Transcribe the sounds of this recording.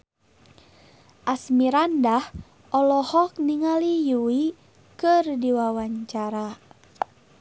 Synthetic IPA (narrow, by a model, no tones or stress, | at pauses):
ʔasmiɾandah | ʔɔlɔhɔk̚niŋalijuwi | kɨrdiwawaɲt͡ʃaɾa